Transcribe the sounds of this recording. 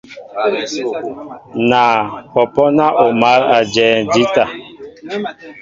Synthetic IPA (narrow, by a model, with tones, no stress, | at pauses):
naː˨pɔ˨pɔ˦na˦ʔo˨ma˨˦ɾa˨d͡ʒɛː˨d͡ʒi˦ta˨